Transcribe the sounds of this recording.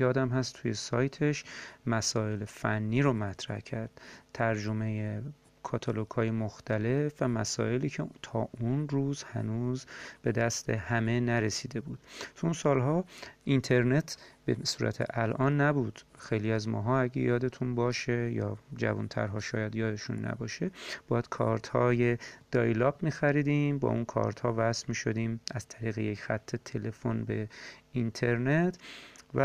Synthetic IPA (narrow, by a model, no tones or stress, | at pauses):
jɒːd̪æmɦæst̪ʰuje̞sɒːjt̪ʰe̞ʃmæsɒːe̞lefænːiːɾomæt̪ʰɾæ̰hcʰæɾd̪̥t̪ʰæɾd͡ʒome̞je | kʰɒːt̪ʰɒlokʰɒːje̞moxt̪ʰæle̞fvæmæsɒ̰ːe̞liːcʰet̪ʰɒːʔunruːzhæ̰nuzb̥e̞d̪æst̪ʰe̞hæme̞næɾe̞siːd̪e̞buːd̪̥t̪ʰuunsɒːlɦɒːint̪ʰe̞ɾne̞t̪ʰb̥ḛsuːɾʔæ̰t̪ʰḛʔælʔɒːnːæbuːd̪̥xejliːæzmɒ̰ːɦɒːæɟḛjɒːd̪e̞t̪ʰunbɒːʃejɒ̰ːd͡ʒæ̰vunt̪ʰæ̰ɾɦɒːʃɒːjæd̪jɒːd̪e̞ʃunːæ̰bɒːʃeb̥ɒːjæd̪̥̚kʰɒ̰ːɾt̪ʰhɒːje̞d̪̥ɒːjlɒːbmiːxæɾiːd̪iːmbɒ̰ːunkʰɒ̰ːɾt̪hɒːvæsmiːʃo̞d̪iːmæz̥t̪ʰæɾiːɣejecʰxæt̪ʰːe̞t̪ʰe̞le̞fonbe̞int̪ʰe̞ɾnet̪ʰvæ